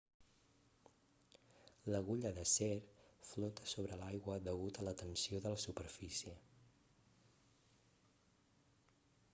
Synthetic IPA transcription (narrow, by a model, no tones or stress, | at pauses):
ləɣuʎəðəsɛɾflɔt̪ə̥soβɾəlajɣwəðəɣut̪ələt̪ənsioðələsupəɾfisiə